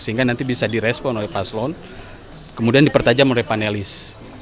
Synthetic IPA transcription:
səɦiŋɡanant̪ibisadiɾɛspɔnolɛhpaslɔn | kəmudiandipərt̪ad͡ʒamolɛhpanelɪs

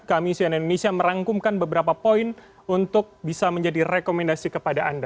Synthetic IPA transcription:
kamisianindonesiaməɾaŋkumkanbəbəɾapapoɪn | unt̪ʊk̚bisaməɲd͡ʒadirekomɛndasikəpadaanda

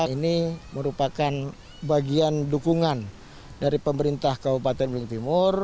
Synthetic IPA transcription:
iniməɾupakan | baɡiandukuŋan | daɾipəməɾint̪ahkabupat̪ɛnblɪŋt̪imʊr

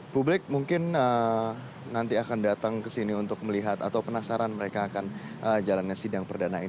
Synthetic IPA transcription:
publɪk̚muŋkɪnə | nant̪iakandat̪aŋkəsiniunt̪ʊk̚məliɦat̪at̪awpənasaɾanməɾekaːkan | ʔəd͡ʒalanɲasidaŋpərdanain

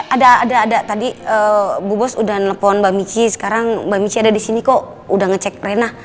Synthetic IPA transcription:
ʔadaːdaːdat̪adiəbubɔsudanləpɔnbamit͡ʃisə̥kaɾaŋbamit͡ʃiadadisinikoʔ | udaŋət͡ʃɛk̚renah

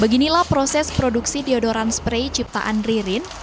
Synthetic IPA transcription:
bəɡinilahpɾosɛspɾoduksidiɔdoɾanspɾejt͡ʃip̚t̪a̰ʔanriɾɪn

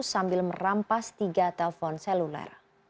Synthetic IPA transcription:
sambɪlmərampast̪iɡat̪ɛlfɔnsɛlulɛ̰r

